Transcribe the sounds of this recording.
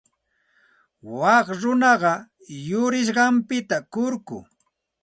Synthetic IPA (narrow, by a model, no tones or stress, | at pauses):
wɑχɾʊnɑɢɑ | jʊɾɪʃɢɑmpɪt̪akʊɾkʊ̰